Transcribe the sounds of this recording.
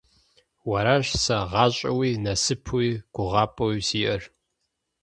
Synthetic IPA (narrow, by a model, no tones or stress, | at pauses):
wɐɾaɕsɐʁɑːɕʼɐwiːnɐsɨpʰwiːɡ̥ʷʊʁɑːpʼɐwisiːʔɐr